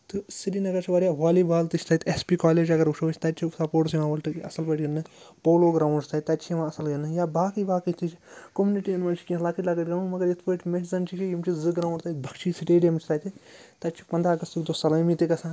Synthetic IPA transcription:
t̪ɨsiɾinɐɡɐɾt͡ʃʰiʋaːɾʲjaʋaːlibaːlt̪ɨt͡ʃʰʲt̪ɐt̪espiːkaːleːd͡ʒɐɡɐɾuʃʰot͡ʃʰt̪ɐt͡ʃʰisɐpoːʈsʋãːɐlʈɨkɐ̰sɐlbɐʈɡɐnːɨpoːloːɡɾaːwɳɖt̪ʰɐt̪ɐt͡ʃʰijʋãːɐsɐlɡɐnːɨjaːbaːkibaːkit̪ʰit͡ʃʰkomuniʈijɐnʋɐːnt͡ʃʰi̥kʲĩlaːkiʈʲlaːɡɐʈʲɡɐnuːnmɐɡɐɾjɐt̪ʰpəːʈʰʲmeʈzɐnt͡ʃʰikijimt͡ʃʰizɨɡɾaːw̃ɳɖt̪ɐt̪̚bʱɐkt͡ʃʰisiʈeːɖijɐmit͡ʃʰt̪ʰɐːt̪ʰit̪ɐt͡ʃʰi̥pɐnd̪ɾaːɡɐst̪ɨkd̪osɐlɐmit̪ikɐsãː

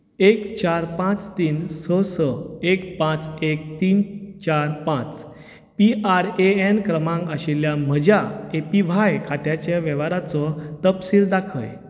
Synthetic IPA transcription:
ekt͡ɕaɾpãt͡st̪iːnsəsəekpãt͡sekt̪iːnt͡ɕaɾpãt͡s | piʔaɾeenkɾəmãŋkaɕiljam̤əd͡ʑaepiʋ̤ajkʰat̪jat͡ɕjaʋɛʋaɾat͡sɔt̪əpsiːld̪akʰə̰j

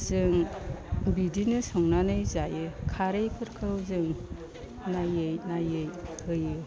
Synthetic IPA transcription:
z̥ɯŋ | bidinɯsɔŋnanɯjzajɯkʰaɾejpʰɯɾkʰɯwzɯŋ | najɯjnajɯjhɯjɯ

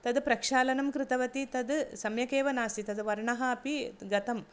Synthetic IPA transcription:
t̪ɐd̪pɾɐkʂaːlɐnɐmkɾɪt̪ɐʋɐt̪it̪ɐd̪sɐmjɐkeːʋɐnaːsit̪ɐd̪ʋɐɾɳɐɦɐɐpiɡɐt̪ɐm

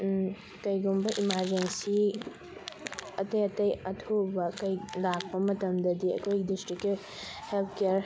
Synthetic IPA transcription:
kɐjɡumbɐʔimaɾd͡ʒensi | ɐtɐjɐtɐjɐtʰobɐkɐjlak̚pɐmɐtɐmdɐdiɐ̰kʰojɡidistɾikːi | helt̚ʰkijaɾ

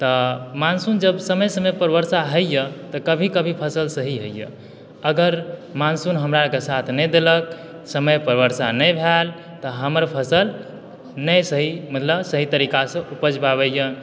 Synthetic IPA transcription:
t̪əmansund͡ʒəbsəməjsəməjpəɾbəɾsaɦəjət̪ɔkəbʱikəbʱipʰəsəlsəɦiɦəjjə̰ | əɡəɾmansunɦəmɾakesat̪ʰnɛd̪elək̚ | səməjpəɾbəɾsanəjbʱel | t̪ɔɦəməɾpʰəsəl | nəjsəɦimət̪ləbsəɦit̪əɾikasə̃ʔupəd͡ʒbaβəjən

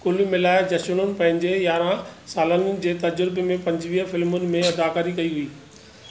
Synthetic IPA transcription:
kʊlimɪlaːɪd͡ʑɐʃʊɽ̃ʊnɪ̆pɐ̃ɦɪ̃ɲd͡ʑejaːɾãsaːlənɪ̆d͡ʑeːt̪ɐd͡ʑʊɾɪbemẽpɐ̃ɲd͡ʑʋiːɦəfɪlmʊnɪ̆mẽɐd̪aːkaːɾikɐiɦuiː

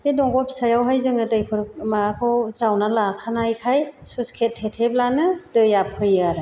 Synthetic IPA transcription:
dedɔŋɡɔpʰsajawɦajzɯŋɯdɯjpʰɯɾmakʰɔwzawnalakʰanajkʰajsuskʰetʰːetʰeblanɯdɯjapʰɯjaɾɯ

